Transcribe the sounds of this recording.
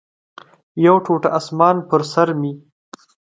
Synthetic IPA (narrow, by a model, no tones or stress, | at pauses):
jawʈʰoʈaasmɑːnpəɾsaɾmi